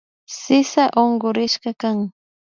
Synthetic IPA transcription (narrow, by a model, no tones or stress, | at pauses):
sɪsaʔoɴɢoɾɪʃɢɑkaŋ